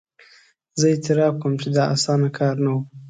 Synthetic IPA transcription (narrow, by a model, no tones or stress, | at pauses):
zəɪt̪ɪɾɑb̚kəmt͡ʃed̪ɑa̰sɑnakʰɑɾnawu